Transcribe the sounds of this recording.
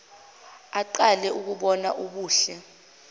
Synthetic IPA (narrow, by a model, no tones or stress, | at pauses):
aǃalɛʔuk̬uɓɔna̰ʔuɓuːɬɛ